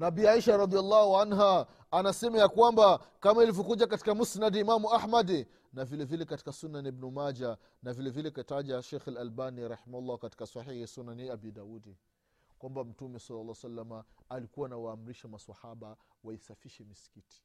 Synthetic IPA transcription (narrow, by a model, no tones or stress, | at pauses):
nabiːaiʃaɾɑd̪ialːɑhuanɦaː | nasɛmajakwamba | kamailivɔkuʄakati̥kamusnadimamuaħmad | navilɛvilɛkati̥kasunːanibnumad͡ʒa | navilɛvilɛkaitaʄaʃɛxalalbaniɾɑħimahulːahkati̥kasahihisunːaniabidaudi | kwambam̩tumɛsɑlːalːaːsalːamaːlikuwanawaːm̩ɾiʃamaswahaɓawaisafiʃɛmisi̥kiti̥